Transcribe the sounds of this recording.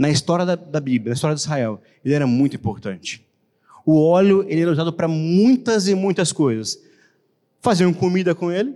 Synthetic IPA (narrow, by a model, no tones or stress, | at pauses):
nɐist̪ɔɾjɐd̪ɐd̪ɐbiblʲɐnɐist̪ɔɾjɐd̪ʊizɦaɛw | elɪɛɾɐmũj̃t̪ʊĩpoɾt̪ɐ̃nt͡ʃɪ̥ | ʊɔlʊelɪɛɾɐuzad̪ʊpɾɐmũj̃t̪ɐzɪmũj̃t̪ɐskojzɐs | faziɐ̃w̃komid̪ɐkõelɪ